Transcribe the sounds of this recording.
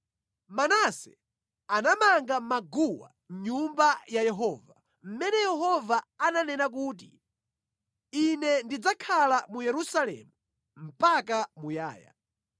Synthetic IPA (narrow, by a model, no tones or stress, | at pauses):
manasɛ | anamaŋɡamaɡuwa̰ | ɲumbajajɛɦɔːva | m̩mɛnɛjɛɦɔvaananɛnak̬uːt̬i | inɛndid͡zakʰalamujɛɾusalɛ̰mu | m̩pakamuja̰ːja̰